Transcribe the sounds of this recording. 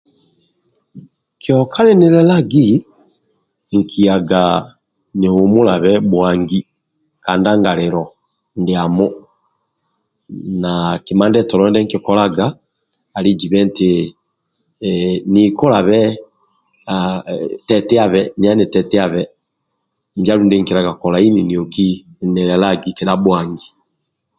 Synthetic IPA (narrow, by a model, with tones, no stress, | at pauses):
kjɔ˨kʰa˦lɛ˦ni˦lɛ˦la˦ɡi˦ | ŋ̩˨kʰi˨a˨ɡa˨ | ne˨hu˨mu˦la˨βɛ˦bwa˨ŋɡi˦ | kaː˨nda˦ŋɡa˨le˨ɾɔ˨ | nde˨a˨mɔ˦ | na˨ki˨ma˦ndɛ˦tɔ˨lɔ˦ndɛ˦ŋki˨kɔ˦la˦ɡaː˨ | li˦d͡ʒi˨βɛ˦nte˨ | ni˨kɔ˦la˨βɛ˦ | tɛ˨tɛ˦a˦βɛ˦ni˨a˦ne˨tɛ˨tɛ˦a˦βɛ | n˨d͡ʒa˦ɾu˨nde˦ŋki˨ɾa˨ɡa˨kɔ˨la˨i˦ni˨ni˨ɔ˨ki˦nɛ˨ɾɛ˨la˦ɡi˦kɛ˨da˦bwa˨ŋɡi˨